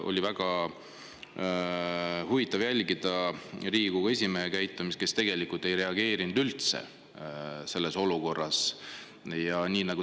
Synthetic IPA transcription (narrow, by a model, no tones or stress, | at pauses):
ʔo̞̰lʲivæɡ̥ɑ | huvit̪ːˑɑvjælʲɡ̥id̪̥ɑriːɡ̥uɡɑe̞s̬ʲimeɦekæjt̪ːˑumist̪ke̞st̪e̞ɡ̥e̞likult̪ːˑe̞jɾe̞ɑɡe̞ːɾinud̪ylt̪sḛ | se̞lːe̞so̞luko̞rːɑs | jɑniːnɑɡ̥u